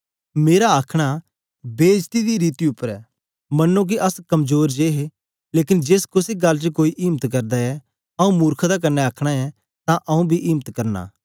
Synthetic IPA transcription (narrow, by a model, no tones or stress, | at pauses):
meːɾaaːkʰɽ̃a | beːd͡ʒt̪id̪iɾiːt̪iʊpːəɾɛ̰ː | mɐnːok̬iʔɐskɐmzoːɾd͡ʒeːɦe | leːk̬ɪnd͡ʒeːskʊsiɡɐlːt͡ʃəkoːiʔiːmət̪kɐɾd̪aɛ | ɐũmuːɾkʰd̪ak̬ɐnːɛaːkʰɽ̃aɛ | t̪ãʔɐũbʱiʔiːmət̪kɐɾna̰ː